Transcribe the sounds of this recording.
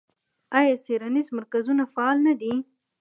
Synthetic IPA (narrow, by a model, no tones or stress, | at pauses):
ajɑseɾanizmaɾkazunafaɑlnad̪i